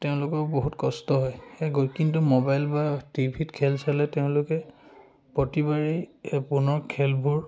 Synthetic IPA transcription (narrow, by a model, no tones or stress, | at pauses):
teʊ̃lʊkɔboɦutkɔstɔɦɔjeɡokintumobajlbatibʱitkʰɛlsalɛteʊ̃lʊkɛ | potibaɹipunɔɹkʰɛlbʱuɹ